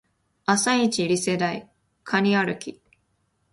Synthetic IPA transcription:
asait͡ɕiɾʲise̞d̪ai | kʰaɲ̟iaɾɯ̟kʲi

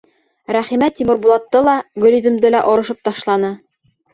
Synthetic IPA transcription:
ɾæχimæt̪ːimɤ̆ɾbulˠɑt̪ːɤlˠɑɡɵ̆liðɵ̆md̪ɘlæʔŏɾɤ̆ʃɤp̚t̪ɑʃlˠɑnɤ

